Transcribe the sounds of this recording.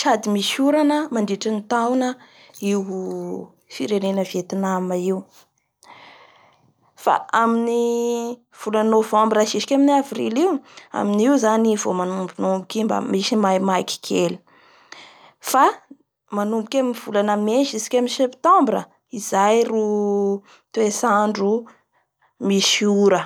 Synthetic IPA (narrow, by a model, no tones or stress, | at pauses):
ʃad̪imiʃuɾanəmand̪iʈ͡ʂinit̪awnə | iw | fiɾenenəvet̪inamaiu | fa̰ʔamini | v̥ulanovɔ̃mbɾaʃiʃi̥kʲaminavrḭliwa̰miniwzanivomanumbinumbukʲimba̰misimajmajki̥kʰeli̥ | fa | manumbukʲaminiv̥ulanameʃizi̥kʲaminsept̪ɔ̃mbɾə | izajru | t̪uesaɳɖ͡ʐu | misiuɾə